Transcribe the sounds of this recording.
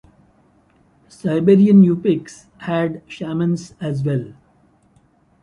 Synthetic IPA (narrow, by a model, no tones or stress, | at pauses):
saɪbeɾiə̃nmjuːpɪks | hæɖʃæːmə̃nsæzʋɛl